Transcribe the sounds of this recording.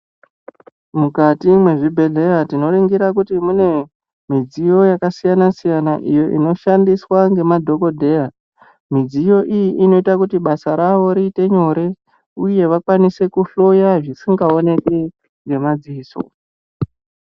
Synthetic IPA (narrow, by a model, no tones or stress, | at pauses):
mukatimwe̞ʐibʱe̞ɮe̞ɾatino̞ɾiŋɡiɾakutimune̞ | mid͡zijo̞jakasijanasijanaʔijo̞ʔḭno̞ʃandiswaŋɡe̞madʱo̞ko̞dʱe̞ja | mid͡zijo̞ʔijiʔino̞itakutiɓasaɾaʋo̞ɾiːte̞ɲo̞ɾe̞ | uje̞ʋakwanise̞kuɬo̞jaʐisiŋɡao̞ne̞ke | ŋɡe̞mad͡ziiːso̰